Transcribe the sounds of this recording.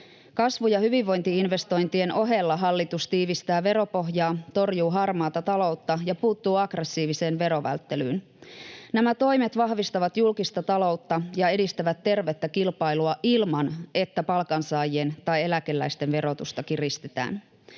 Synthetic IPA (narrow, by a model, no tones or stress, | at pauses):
kɑsʋujɑhyʋiʋːo̞jnt̪iinʋe̞st̪o̞jnt̪ie̞no̞ɦe̞lːɑɦɑlːit̪ust̪iːʋist̪æːʋe̞ɾo̞po̞ɦjɑːt̪o̞rjuːɦɑrmɑːt̪ɑt̪ɑlo̞wt̪ːɑjɑpuːt̪ːuːɑɡre̞sːiːʋise̞ːnʋe̞ɾo̞ʋæ̰lt̪ːe̞lyːn | næmæt̪o̞jme̞t̪ʋɑɦʋist̪ɑʋɑt̪julkist̪ɑt̪ɑlo̞ut̪ːɑjɑe̞dist̪æʋæt̪ːe̞rʋe̞t̪ːækilpɑjluɑʔilmɑne̞t̪ːæpɑlkɑnsɑːjient̪ɑje̞lækelːæjst̪e̞nʋe̞ɾo̞t̪ust̪ɑkirist̪et̪æ̰ːn